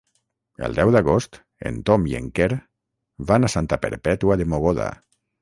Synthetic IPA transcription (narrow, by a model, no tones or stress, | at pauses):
ə̰lˠd̪ɛwðd̪aɣost̪ | ḛnt̪ɔmiḛŋkɛɾ | βanasant̪apə̰ɾpɛt̪uaðemoɣ̞oða̰